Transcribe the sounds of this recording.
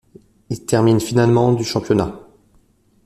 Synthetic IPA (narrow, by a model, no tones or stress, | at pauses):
ilt̪ɛʁminfinalmɑ̃d̪yʃɑ̃pjɔna